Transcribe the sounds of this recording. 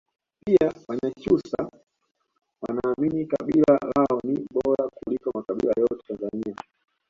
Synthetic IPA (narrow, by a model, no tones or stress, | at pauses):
piawaɲat͡ʃusa | wanaːminika̰ɓilalaɔniɓɔɾakulikɔmakaɓḭla̰jɔtɛtanzania